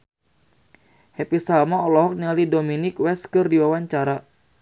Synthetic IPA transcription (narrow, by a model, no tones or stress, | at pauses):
hɛpisalmaɔlɔɦɔk̚nialidominɪkwɛskɨrdiwawaɲt͡ʃaɾa